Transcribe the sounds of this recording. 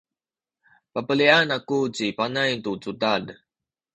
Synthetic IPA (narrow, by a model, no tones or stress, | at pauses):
papəlianakut͡ɕipanajtut͡sutad